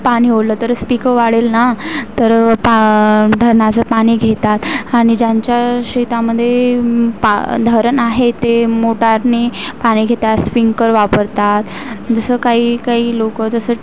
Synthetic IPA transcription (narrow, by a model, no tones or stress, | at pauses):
paɽ̃iːɦoləːt̪əɾspikəʋaɽelnat̪ːəɾpad̪ʱəɾɳat͡səpaɽ̃iːɡʱet̪at̪aɽ̃id͡ʑjaɲt͡ɕjaɕet̪aməd̪ʱːjepd̪ʱəɾnaɦet̪emoʈaɾniːpaɽ̃iːɡʱet̪at̪sfiŋkəɾʋapəɾt̪at̪d͡zəsəːkaɦiːkaɦiːlokəd͡z̪əsə